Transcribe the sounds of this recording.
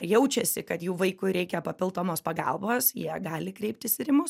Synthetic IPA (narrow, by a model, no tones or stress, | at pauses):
jɛʊt͡ʃʲɛsʲɪkɐt̪juːʋɐɪkʊɾʲɛɪkʲɛpɐpʲɪlˠt̪oːmoːspɐɡɑ̰lˠboːsjiɛɡɑːlʲɪkɾʲɛɪp̚t̪ʲɪsɪɾʲɪmʊs